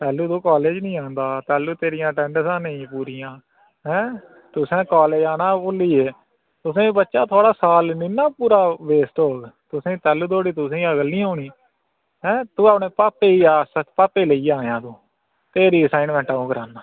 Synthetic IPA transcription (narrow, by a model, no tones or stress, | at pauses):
t̪ɛːluːd̪õːkaːleːd͡ʒnĩːãːnd̪aːt̪ɛːlːuːt̪eːɾɪjãːʈɛ̃ːɳɖsãːnəĩpuːɾiːãː | ɦɛ̃ː | t̪ʊsẽːkaːleːd͡ʒaːnãːpoːliːeː | t̪ʊs̬ẽːbətːʃaːt̪ʰoaːɽaːsaːlnɪnaːpuːɾaːbeːsʈɦoːɡt̪ʊsẽːt̪ɛːluːd̪oːɽiːt̪ʊsẽːəɡəlːĩːɦoːɳiː | ɦɛ̃ːt̪ũːaːpɳeːpaːpeːiːaːsəkpaːpeːləiːãːjãːd̪ũː | t̪eːɾiːəsaːɪnʋɛ̃ːɳʈaːõːkəɾaːnːaː